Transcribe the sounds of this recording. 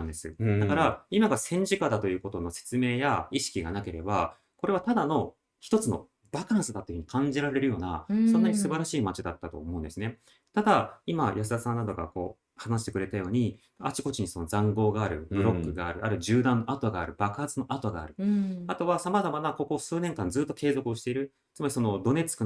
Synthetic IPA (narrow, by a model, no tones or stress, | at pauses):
and̪esɨ̰d̪akaɾaimaɡasẽ̞ɲ̟d͡ʑikad̪at̪o̞jɯ̟ːkot̪o̞no̞se̞̥t͡sɨme̞ːjaiɕi̥kʲiɡanake̞ɾe̞ba | ko̞ɾe̞β̞at̪ad̪ano̞ | çi̥t̪o̞t͡sɨno̞̰ | b̥akãɰ̃sɨd̪at̪ːeɯ̟ɲ̟ikʰãɲ̟d͡ʑiɾaɾe̞ɾɯ̟jo̞ːna̰sõ̞nːaɲ̟isɨbaɾaɕiːmat͡ɕid̪at̪ːat̪o̞̰ːmo̞ɯ̟̃ndesɨne̞ | t̪ad̪aimajas̬ɨasãnːad̪o̞ɡa̰ko̞̰ː | hanasɕi̥t̪e̞kɯ̟ɾe̞t̪ajo̞ːɲ̟i | at͡ɕi̥ko̞t͡ɕiɲ̟iso̞nozãŋɡo̞ːɡaːɾɯ̟bɯ̟ɾo̞kːɯ̟ɡaːɾɯ̟ʔaɾɯ̟ʑɨːd̪ãnːoat̪o̞ɡaːɾɯ̟bakɯ̟̥hat͡sɨno̞ʔat̪o̞ɡa̰ːɾɯ̟at̪o̞βasamazamanako̞ko̞sɨːne̞ŋkãnzɨːt̪ːo̞ke̞ːzo̞kɯ̟oɕi̥t̪e̞iɾɯ̟ | t͡sɨmaɾʲiso̞no̞d̪o̞ne̞t͡sɨ̥kɯ̟